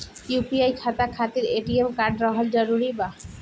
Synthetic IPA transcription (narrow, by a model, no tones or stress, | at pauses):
jupiajkʰat̪akʰat̪iɾeʈiemkaɾɖɾɔɦold͡ʑɔɾuɾiba